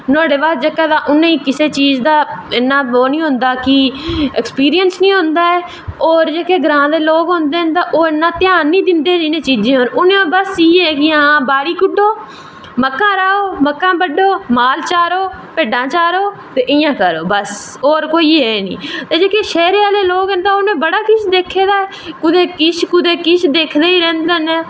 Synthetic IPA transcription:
nõːɽeːʋaːt̪̚d͡ʒeːkaːd̪aːʔʊnːẽːĩːkɪseːt͡ʃiːzd̪aːɪnːãːoːnĩːɦʊ̃nd̪aːkɪekspiːɾijənsnĩːɦʊ̃nd̪aːɛː | oːɾd͡ʒeːkeːɡɾãːd̪eːloːkɦõnd̪eːɦnt̪aːʔoːɪnːãːt̪ɪjaːnːĩːd̪ɪnd̪eːniːnẽːt͡ʃiːd͡ʒẽːɦoːnʊnẽːõːbəsiːɛːkɪãːbaːɽiːkʊɖoː | məkːãːɾaːoːməkːãːbəɖoːmaːlt͡ʃaːɾoː | peːɖãːt͡ʃaːɾoː | t̪eːʔɪjãːkəɾoːbəs | oːɾkoːiːɦɛːnḭːt̪eːd͡ʒeːkeːʃɛːɾeːaːleːloːɡənt̪aːonẽːbəɽaːkɪʃʰd̪eːkʰːeːd̪aːɛː | kʊd̪eːkɪʃʰkʊd̪eːkɪʃʰd̪eːkʰd̪eːiːɾɛ̃ːnd̪eneː

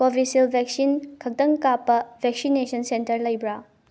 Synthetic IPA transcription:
pobʱisilbʱɛk̚sinkʰɐk̚dɐŋkapːɐbʱɛk̚sinesʰɐnsentɐɾlɐjbɾa

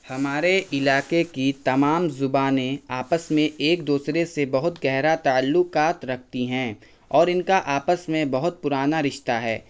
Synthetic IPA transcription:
hɐmaːɾeʔɪlaːkekit̪ɐmaːmzʊbaːnẽaːpəsmẽeːk̚d̪uːsɾesebɐɦʊt̪ɡɛɦɾat̪aəlːʊkaːt̪ɾɐk̚ʰt̪iɦɛ̃ː | ɔːɾɪnkaʔaːpəsmẽbɐɦʊt̪̚pʊɾaːnaɾɪʃt̪aɦɛ̰ː

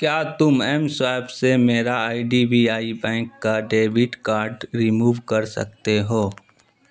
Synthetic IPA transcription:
kjaːt̪ʊmɛmswaːbsemeːɾaaːiɖibʱiaːibɛ̃ːŋkːaɖeːbɪʈkaːɾɖɾimuːʋkɐɾsɐ̰k̚t̪eɦoː

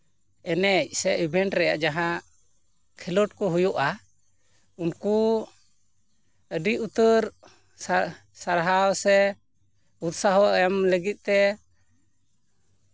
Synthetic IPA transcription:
ɛnɛc̚sɛʔibʱɛɳʈɾɛja̰ʔd͡ʒaɦã | kʰilɔʈ̚kɔɦujɔʔa | unku | əɖiʔut̪əɾ | saɾɦawsɛ | ut̪saɦɔɛmləɡit̪̚ˀt̪ɛ

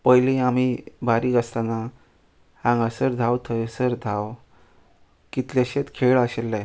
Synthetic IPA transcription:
pəjlĩam̤ibʱaɾikəst̪ana | ãŋɡasəɾd̪ʱawt̪ʰəjsəɾd̪ʱaw | kit̪ljaɕet̪kʰeɭaɕelːa

